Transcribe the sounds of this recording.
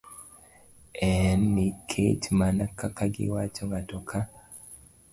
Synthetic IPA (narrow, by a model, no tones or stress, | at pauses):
ɛnːikʰḛt͡ʃmanakakaɡḭwat͡ʃoŋɡatɔkʰa